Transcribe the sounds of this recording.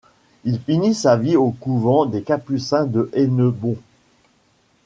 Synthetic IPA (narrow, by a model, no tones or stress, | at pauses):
ilfinisaviokuvɑ̃d̪ekapysɛ̃d̪əʔɛnəbɔ̃